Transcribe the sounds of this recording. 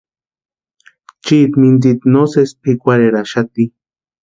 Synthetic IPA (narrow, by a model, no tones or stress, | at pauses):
t͡ʃit̪mind̪̬it̪nosespikʷaɾeɾaʃat̪i